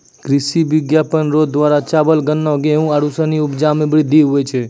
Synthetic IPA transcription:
kɾɪsiʋɪɡjapənɾod̪d̪ʋaːɾat͡ʃaːbəlɡənːɔ̃ɡeũaɽusaniʊpd͡ʒamẽbəɽid̪iɦuet͡ʃʰe

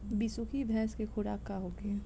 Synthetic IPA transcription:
bisukʰibʱɛ̃ːskexʰʊɽaːkaɦoːɡeː

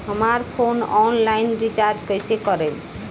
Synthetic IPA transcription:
ɦəmaɾpʰonɔnlainɾit͡ʃaɾɖkəjsekʌɾəl

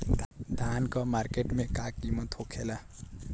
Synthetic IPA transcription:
d̪ʱd̪ʱaːnkɔmaːɾkeʈmẽkakːimɔ̃t̪ʰokʰela

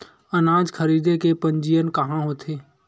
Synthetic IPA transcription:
ənaːd͡ʒkʰəɾiːd̪ekepə̃ɲd͡ʒijənkɐɦãɦoːt̪ʰeː

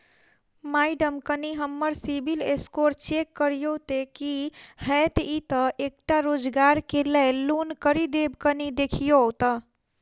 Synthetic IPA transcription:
majɖəmkəniɦəmːəɾsibʱileskoɾt͡ʃekːəɾijot̪ekihɛt̪it̪əʔek̚ʈaɾod͡ʒɡaɾkelellunkəɾid̪ebkənid̪ekʰijot̪ə

